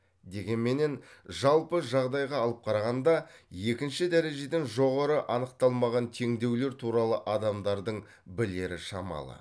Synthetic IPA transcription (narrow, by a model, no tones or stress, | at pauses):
d̪e̞ɡʲe̞nme̞ne̞nʒɑlˠpəʒɑʁd̪ɑjʁɑːlˠəp̚qʰɑɾɑʁɑnd̪ɑje̞kʲɪnʃɪd̪æɾe̞ʒe̞d̪eŋʒo̞ʁɑɾəʔɑnəqt̪ɑlˠmɑʁɑnt̪ʰe̞ŋd̪e̞wle̞ɾt̪ʰuɾɑlˠəʔɑd̪ɑmd̪ɑɾd̪əɴ | bɪle̞ɾɪʃɑmɑ̰lˠə̰